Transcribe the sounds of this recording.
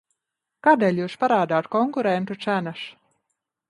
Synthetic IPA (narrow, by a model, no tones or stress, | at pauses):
kaːd̪eːlʲjuːspaɾaːd̪aːt̪kɔŋkuɾɛnt̪ut̪sænaʃ